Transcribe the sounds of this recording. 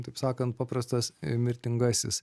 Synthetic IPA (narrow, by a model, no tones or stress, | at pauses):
t̪ɐɪpsɑːkɐnt̪̚pɑːpɾɐst̪ɐsmʲɪɾʲt̪ʲɪŋɡɑːsʲɪs